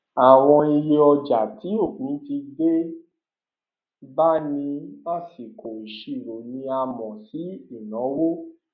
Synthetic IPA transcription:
a˨w̃ɔ̃˧i˧je˧ɔ˧d͡ʒa˨ti˨˦o˦˨kũ˨˦ti˧be˦ | ba˦˨nĩ˧ma˦˨si˨kʰo˨i˨ʃi˨˧˨ɾo˨nĩ˧a˧mɔ̃˨si˨˦i˦˨nɔ̃˨˦wo˦

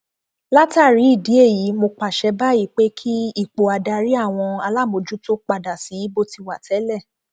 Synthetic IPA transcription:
la˦ta˦˨ɾi˨˦i˦˨di˨˦e˦˨ji˨˦mo˧k͡pa˨ʃɛ˧ba˦i˦˨k͡pe˦kʰi˦i˦˨k͡po˨a˨da˧ɾi˦a˦˨w̃ɔ̃˧a˧la˦˨mo˧d͡ʒu˦to˦k͡pa˧da˨si˨˦i˦bo˦ti˧wa˦˨tʰɛ˨˦lɛ˦˨

